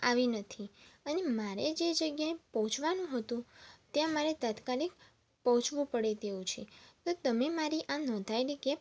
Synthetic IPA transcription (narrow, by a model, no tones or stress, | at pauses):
aʋinət̪ʰiənemaɾed͡ʒed͡ʒəɡjaepəɦʊ̃t͡ʃʰʋanũɦət̪ũt̪jãmaɾet̪at̪kalik | pəɦʊ̃t͡ʃʰʋũpəɽet̪eũt͡ʃʰet̪ot̪əmemaɾiʔanɔ̃d̪ʱaeliɡep